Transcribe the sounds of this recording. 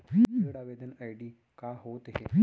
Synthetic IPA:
əɽaʋed̪ənajɖiː | kaɦot̪ɦḛ

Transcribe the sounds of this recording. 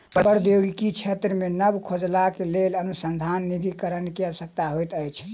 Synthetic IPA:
bəbəɾd̪joɡikit͡ʃʰet̪ɾəmenəbkʰod͡ʒlakelelənusənd̪ʱanːid̪ʱikəɾənkeəbəsək̚t̪aɦojt̪əjt͡ʃʰ

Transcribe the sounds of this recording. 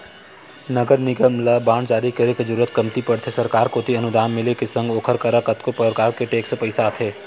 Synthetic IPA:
nɐɡəɾnɪɡəmlabaːɳd͡ʒaːɾikɐɾeked͡ʒɐɾuːɾət̪kɐmt̪ipɐɽt̪ʰesɐɾkaːɾkot̪ʰiɐnʊd̪aːmːɪlekesɐ̃ŋɡoːkʰəɾkɐɾəkɐt̪kopɐɾkaːɾkeʈeːkspəɪsaːt̪ʰɦeː

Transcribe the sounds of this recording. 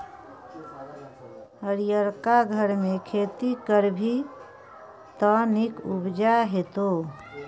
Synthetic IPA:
əɾijəɾkaɡʱəɾmekʰet̪ikəɾbʱi | t̪ənikubd͡ʒaɦet̪o

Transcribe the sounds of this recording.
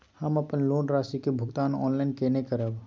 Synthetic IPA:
həməpənloːnɾasikebʱʊɡt̪aːnɔ̰ːnlaɪnkenekəɾəb

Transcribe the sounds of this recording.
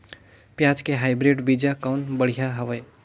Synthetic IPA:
pjad͡ʒkeɦaɪbɾeɖbid͡ʒakaʊnbəɽ̤ijaɦəʋəj

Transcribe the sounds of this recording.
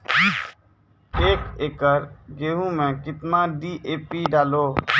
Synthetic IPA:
eːkeːkəɾɡeːɦũmẽːkɪt̪mãːɖiːʔeːpiːɖaːloː

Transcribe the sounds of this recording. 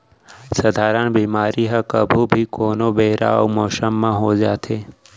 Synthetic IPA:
səd̪ʱaːɾənbiːmaːɾiɦəkəbʱubʱikoːnobeːɾa̰ːo̰moːsəmːãɦoːd͡ʒaːt̪ʰeː

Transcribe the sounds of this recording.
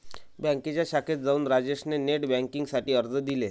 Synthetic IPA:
bɛ̃ŋket͡ɕjaɕakʰet̪̚d͡zauːnɾad͡ʑeɕneneʈbɛ̃ŋkiŋɡsaʈiːəɾd͡zəd̪ile

